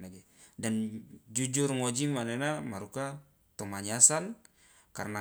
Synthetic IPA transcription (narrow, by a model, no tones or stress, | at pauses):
naɡɛ | dand͡ʒud͡ʒurŋɔd͡ʒimanɛnamaɾuka | t̪ɔmaɲasal | karna